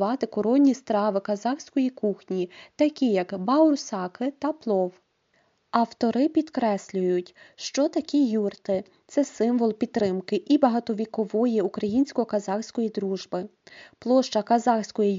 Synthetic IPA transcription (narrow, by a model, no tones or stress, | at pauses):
ʋɑt̪ɪkɔɾɔnʲːist̪ɾɑʋɪkɐzɑxsʲkɔjikuxnʲit̪ɐkʲijɐkbɑʊɾʊsɑkɪt̪ɐplˠɔw | ɐwt̪ɔɾɪpʲid̪kɾɛsʲlʲʊjʊtʲʃt͡ʃɔt̪ɐkʲijurt̪ɪ | t̪sɛsɪmʋɔlˠpʲid̪̚ɾɪmkɪʔibɐɦɐt̪ɔʋʲikɔʋɔjiukɾɐjinʲsʲkɔkɐzɑxsʲkɔjid̪ɾuʒbɪplˠɔʃt͡ʃɐkɐzɑxsʲkɔji